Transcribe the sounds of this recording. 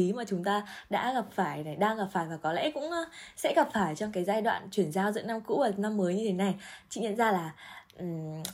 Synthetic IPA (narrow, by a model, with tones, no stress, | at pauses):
i˨˦maː˨˩t͡ɕʊ˨˦ŋ͡mt̪aː˧ɗa̰ː˧˥ɣa˨˩p̚faː˧˩jna˨˩ɗaː˧ŋɣa˨˩p̚faː˧˩jvaː˨˩kɔ˨˦lɛ̰˧˥kʊ̰˧˥ŋ͡msɛ̰˧˥ɣa˨˩p̚faː˧˩jt͡ɕɔ˧wŋ͡mkaː˨˦jzaː˧jɗwa̰ː˧˨nt͡ɕwi˧˩ənzaː˧wzɨ̰˧˥na˧mkṵ˧˥vaː˨˩na˧mːəː˨˦jɲɨ˧t̪ʰe˨˦na˨˩jt͡ɕḭ˧˨ɲə̰˧˨nzaː˧laː˨˩ʔ̩˨˩